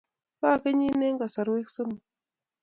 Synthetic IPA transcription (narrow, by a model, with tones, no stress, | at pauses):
pa˦˨ke˦ɲi˦ne˦ŋɡa˨sa˨ɾwe˦ksə˦mu˨